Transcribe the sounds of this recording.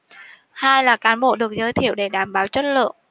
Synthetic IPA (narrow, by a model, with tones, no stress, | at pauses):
haː˧jlaː˨˩kaː˨˦nɓo̰˧˨ɗɨ˨˩ək̚zəː˧jt̪ʰi˧˩əwɗe˧˩ɗaː˧˩mɓaː˨˦wt͡ɕwə˦˥t̚lɨ̰˧˨əŋ